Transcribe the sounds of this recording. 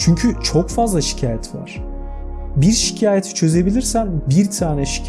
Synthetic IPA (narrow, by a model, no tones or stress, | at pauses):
t͡ʃʰyɲcʰyt͡ʃʰo̞kfazlˠaʃi̥cʰaːjɛt̪ʰva̰ɾ̥ | biɾʃi̥cʰaːjet̪ʰi̥t͡ʃʰø̞ze̞bilʲiɾsænbiɾt̪ʰaːnɛʃi̥cʰ